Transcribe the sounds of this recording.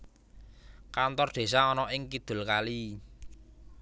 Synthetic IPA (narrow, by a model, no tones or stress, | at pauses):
kant̪ɔrd̪̥e̤saɔnɔʔɪŋkid̪̥ṳlkali